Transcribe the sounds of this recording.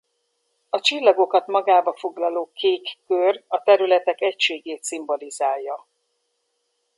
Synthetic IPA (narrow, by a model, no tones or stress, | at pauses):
ɒt͡ʃilːɒɡo̞kɒt̪mɒɡaːbɒfo̞ɡlɒloːkeːkːørɒt̪ɛɾylɛt̪ɛkɛcʃeːɡeːt̪simbo̞lizaːjːɒ